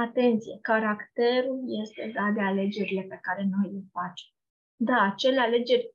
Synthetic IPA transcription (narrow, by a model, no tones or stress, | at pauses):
at̪e̞nt̪sije̞kaɾakt̪e̞ɾulje̞st̪e̞d̪at̪̚d̪e̞ale̞d͡ʒe̞ɾile̞pe̞kaɾe̞no̞jle̞fat͡ʃe̞m | d̪aːt͡ʃe̞le̞ale̞d͡ʒe̞rʲ